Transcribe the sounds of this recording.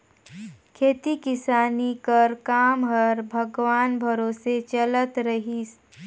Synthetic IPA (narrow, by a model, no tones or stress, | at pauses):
kʰeːt̪ikɪsaːnikəɾkaːmɦəɾbʱəɡʋaːnbʱəɾoːset͡ʃələt̪ɾəɦis